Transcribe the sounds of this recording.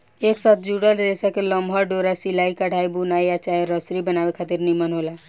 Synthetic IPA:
eksat̪ʰd͡ʒuɽəlɾesakeləmbʱəɾɖoɾasilaikəɽ̤ʱaibunajat͡ʃaɾəsɾibənabekʰat̪iɾnimənɦola

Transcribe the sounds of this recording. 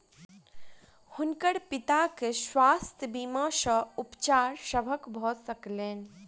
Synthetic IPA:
hʊnkəɽpɪt̪akeʃʋaːst̪ʰəbimaʃəupt͡ʃaːɾʃəbʱəkbʱɔːsəkleːn

